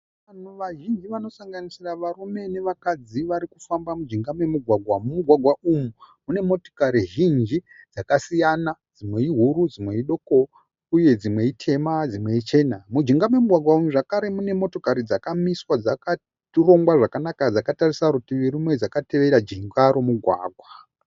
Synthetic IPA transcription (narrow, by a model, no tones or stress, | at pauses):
ʋan̤uʋaʒind͡ʒiʋano̞saŋɡanisiraʋarume̞ne̞ʋakad͡ziʋaɾikufambamud͡ʒiŋɡamwe̞muɡʱwaɡʱwamumuɡʱwaɡʱwaʔumumune̞mo̞to̥kaɾiʒind͡ʒid͡zakasijanad͡zimwe̞iɦuɾud͡zimwe̞iɗo̞ːko | uje̞d͡zimwe̞itʰe̞mad͡zimwe̞it͡ʃe̞namud͡ʒiŋɡamwe̞muɡʱwaɡʱwaumuʐakaɾe̞mune̞mo̞to̞kaɾid͡zakamiswad͡zaka | ro̞ŋɡwaʐakanakad͡zakatarisaɾutiʋiɾumwe̞d͡zakate̞ʋe̞ɾad͡ʒiŋɡaɾomuɡʱwa̰ːɡʱwa